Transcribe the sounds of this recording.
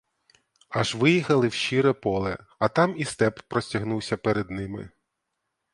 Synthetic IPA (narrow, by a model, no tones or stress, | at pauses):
ɐʒʋɪjixɐlˠɪwʃiɾɛpɔlˠɛ | ɐt̪ɑmist̪ɛpːɾɔsʲtʲɐɦnuwsʲɐpɛɾɛd̪nɪmɪ̰